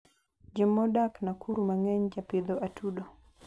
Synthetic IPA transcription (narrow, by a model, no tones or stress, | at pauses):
d͡ʒɛmːɔɗaknakʰuɾumaŋɛɲd͡ʒapid̪ɔʔatʰuɗɔ